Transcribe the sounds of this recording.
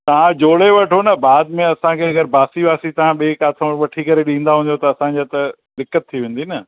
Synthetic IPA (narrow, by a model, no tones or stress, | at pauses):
t̪ɐʋ̤ãd͡ʑoːɽeʋɐʈʰonɐbaːd̪mẽɐsãkʰeɐɡəɾbaːsiʋaːsit̪ɐʋ̤ãɓeːkaːt̪ʰõʋɐʈʰikɐɾeɗĩːnd̪aɦũːnd̪jot̪ɐːsãɲd͡ʑat̪ɐ | ɗ̪ɪkːət̪̚ʰːiʋẽːn̆d̪inɐ